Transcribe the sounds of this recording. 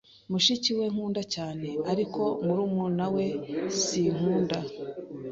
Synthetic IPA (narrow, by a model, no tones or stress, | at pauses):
muʃiciwe̞ŋ̥uːndacaːne̞aɾiko̞muɾumunawe̞siŋ̥huːnda